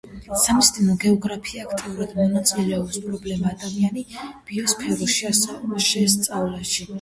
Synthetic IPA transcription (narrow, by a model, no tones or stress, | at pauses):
samist̪ʼinɔɡɛɔɡɾapʰiaːkʰt̪ʼiuɾad̪mɔnat̪sʼilɛɔpspʼɾɔblɛmaːd̪amianib̥iɔspʰɛɾuʃiasɛaʃɛst̪sʼavlaʃi